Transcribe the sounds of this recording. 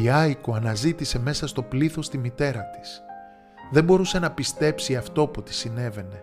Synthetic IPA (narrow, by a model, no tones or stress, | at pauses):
iɐjkoɐnɐzit̪ise̞me̞sɐst̪o̞pliθo̞st̪imit̪e̞ɾɐt̪i̥s | ðe̞mbo̞ɾuse̞nɐpist̪e̞psiɐft̪o̞pot̪i̥sine̞ve̞ne̞